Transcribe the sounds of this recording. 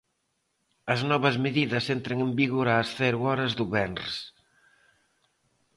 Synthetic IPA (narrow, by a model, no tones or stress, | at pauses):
ɐznɔβɐzmeðiðəsent̪ɾeŋembiɣuɾaːsθɛɾuɔɾɐzðuβɛnrs